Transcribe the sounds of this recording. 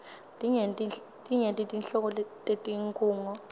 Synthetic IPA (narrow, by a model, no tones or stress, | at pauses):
tʼiŋentʼi | tʼiŋentʼitʼinɬɔk̬ɔltʼetʼiŋkʼuːŋɔ